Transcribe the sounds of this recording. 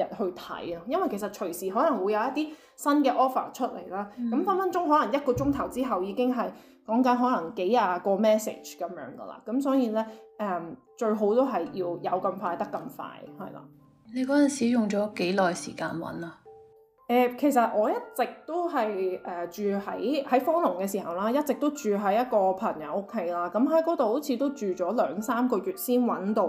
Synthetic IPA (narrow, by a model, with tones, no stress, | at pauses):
jɐ˨˩t̚hɵ˧ɥt̪ʰɐ̰˨˥jɐ˥jɐ˥nwɐ˨jkʰsɐ˨t̚t͡ʃʰɵ˨˩ɥsiː˨ɦɔː˨˥lɐ˨˩ŋwu˨˧jɐ˨˧wjɐ˥t̪iː˥ | sɐ˥nkɛː˧ʔɔː˥fa̰ː˨˩t͡ʃʰɵ˥t̚lḛ˨˩jlaː˥kɐ˨˦˥mfaː˥nfɐ˥nt͡ʃʊ˥ŋɦɔː˨˥lɐ˨˩ŋjɐ˥t̚kɔː˧t͡ʃʊ˥ŋt̪ʰɐ˨˩wt͡siː˥ɦɐ˨wjiː˨˧kɪ˥ŋɦɐ˨j | kɔː˨˥ŋkɐ˨˥nɦɔː˨˥lɐ˨˩ŋke˨˥jaː˨˧kɔː˧mɛː˥sḛ˨˩t͡ʃkɐ˨˧mjœ̰ː˨˥ŋɡə̰˧la̰ː˨˩kɐ˨˥msɔː˨˥jiː˨˧lɛː˥ʔɛː˧˩m | t͡ʃɵ˧ɥɦo˨˥wt̪o˥wɦɐ˨jjiː˧wjɐ˨˧wkɐ˧mfaː˧jt̪ɐ˥kːɐ˧mfa̰ː˧jhɐ̰˨jla̰ː˨˩ | ne˨˧jkɔː˨˥jɐ˨nsiː˨˥jʊ˨˩ŋt͡ʃɔː˨˥ke˨˥jlɔː˨jsiː˨˩ka̰ː˧nwɐ̰˨˥na˧ | ʔɛː˧kʰe˨˩js̬ɐ˨t̚ʔɔː˨˧jɐ˥t̚t͡sɪ˨k̚t̪o˥wɦɐ˨jʔɛː˨˩t͡ʃyː˨hɐ˨˥jhɐ˨˥jfɔː˥lʊ˨˩ŋkɛː˧s̬iː˨˩hɐ˨wlaː˥jɐ˥t̚t͡sɪ˨k̚t̪o˥wt͡ʃyː˨ɦɐ˨˥jɐ˥t̚kɔː˧pʰɐ˨˩ŋjɐ̰˨˥wo˥kʰːe˨˥jlaː˥kɐ˨˥mɦɐ˨˥jkɔː˨˥t̪o˨who˨˥wt͡sʰiː˧t̪o˥wt͡ʃyː˨t͡ʃɔː˨˥lœː˨˥ŋsaː˥mkɔː˧ɥyː˨t̚siː˥nwɐ˨˥nt̪o˧w